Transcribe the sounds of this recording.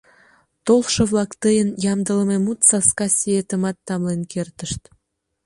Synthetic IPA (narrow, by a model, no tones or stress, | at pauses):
t̪olʃŏβlɑkt̪əjənjɑmd̪ələ̆memut̪sɑskɑsʲiet̪ə̆mɑt̪ːɑmlenkert̪əʃt̪